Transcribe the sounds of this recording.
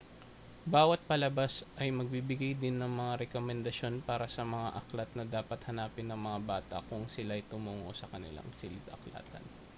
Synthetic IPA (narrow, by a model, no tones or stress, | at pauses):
baːwɐt̪̚pɐlɐbasʔɐjmɐɡ̚bibɪɡajd̪ɪnːɐŋmɐŋaɾɛkomɛnd̪ɐʃo̞npaːɾɐsɐmɐŋaʔɐklɐt̪̚nɐd̪aːpɐt̪hɐnaːpɪnːɐŋmɐŋabaːt̪ɐ̰kʊŋsɪlaɐjt̪ʊmuːŋo̞̰sɐkɐnɪ̰la̰ŋsɪlɪt̪ɐ̰kla̰ːt̪ɐ̰n